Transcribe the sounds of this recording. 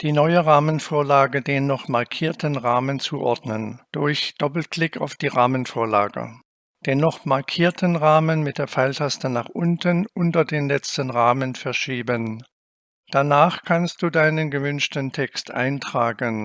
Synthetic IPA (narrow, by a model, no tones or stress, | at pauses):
d̥iːnɔʏəʁaːmənfoːɐlaːɡədeːnːɔχmaɐkʰiːɐtʰənʁaːmənt͡suʔɔɐdnənd̥ʊɐçd̥ɔpl̩klɪka̰ʊfd̥iːʁaːmənfoːɐla̰ːɡə̰ | d̥eːnːɔχmaɐkʰiːɐtʰənʁaːmənmɪt̚d̥eːɐfaɪltʰastənaːχʔʊntənʔʊntɐdeːnlɛt͡stənʁaːmənfɛɐʃiːbən | d̥anaːχkʰanst̚d̥uːdaɪnənɡəvʏnʃtəntʰɛkstʔa̰ɪntʁ̥aːɡən